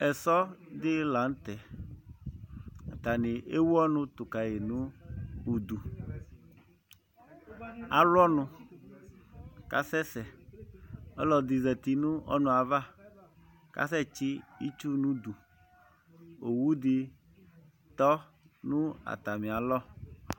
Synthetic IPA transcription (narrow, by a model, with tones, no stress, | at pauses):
ɛ˨sɔ˦d̪ɪ˦la˨n̩˦t̪ɛ˨ | a˨t̪a˨nɪ˨e˦wu˦ɔ˦nʊ̃˦t̪ʊ˨ka˨je˨nũ˦u˨d̪u˨ | a˨lwɔ˦nʊ̃˦ | ka̰˦sɛ˦sɛ˨ | ɔ˦lɔ˨d̪i˨zɛ˨t̪i˨nũ˦ʔɔ̰˦nũ˨a˨va˦ | ka̰˦sɛ˦t͡ʃi˦i˦t͡ʃu˦nũ˦d̪u˨ | o˨wu˦d̪ɪ˦ | t̪ɔ˦ | nũ˦a̰˨t̪a˨mĩ˨a˨lɔ˦